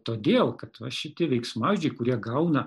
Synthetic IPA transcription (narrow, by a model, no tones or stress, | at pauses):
t̪oːd̪ʲeːlˠkɐt̪ʋɐʃʲɪt̪ʲɪʋʲɛɪksmɑːɪʒʲd͡ʒʲɛɪkʊɾʲiɛɡɐʊnɐ